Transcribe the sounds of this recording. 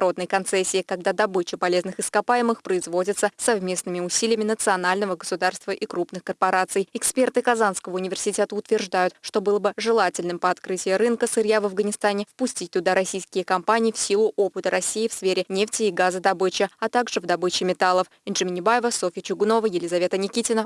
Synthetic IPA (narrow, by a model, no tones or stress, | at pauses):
ɾo̞d̪nəjkɐnt̪sɛsʲːɪːkɐɡ̚d̪ad̪ɐbɨt͡ɕɪpɐlʲe̞znɨxɨskɐpajɪmɨxpɾəɪzvo̞dʲət̪səsɐvmʲe̞snɨmʲɪʊsʲilʲɪjɪmʲɪnət̪sɨɐnalʲnəvəɡəsʊd̪arst̪vəʔikɾupnɨxkərpɐɾat̪sɨjɪkspʲe̞rt̪ɨkɐzanskəvəʊnʲɪvʲɪrsʲɪtʲet̪əʊt̪vʲɪrʐd̪ajʊt̪ʂt̪o̞bɨlˠəbɨʐɨlˠatʲɪlʲnɨmpəɐt̪kɾɨtʲɪjəɾɨnkəsɨɾʲjavɐvɡənʲɪst̪anʲɪfpʊsʲtʲit̚ʲt̪ːʊd̪aɾɐsʲijskʲɪjəkɐmpanʲɪjːfsʲilˠʊʔo̞pɨt̪əɾɐsʲːijːfsfʲeɾʲɪnʲeftʲɪːɡazəd̪ɐbɨt͡ɕɪɐt̪aɡʐɨvd̪ɐbɨt͡ɕɪmʲɪt̪alˠəf | ɪnʐɨmʲɪnʲɪbajɪvəsofʲɪjət͡ɕʊɡno̞vəjɪlʲɪzɐvʲe̞t̪ənʲɪkʲitʲɪnə